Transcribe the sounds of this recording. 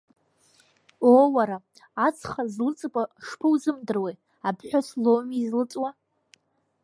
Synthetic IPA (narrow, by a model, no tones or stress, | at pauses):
owaɾaː | t͡sʰχazlɨt͡sʼɨkʷʼaʂpʰɨwzɨmdɨrwe | abʰħʷᶣaslomizlɨt͡sʼwa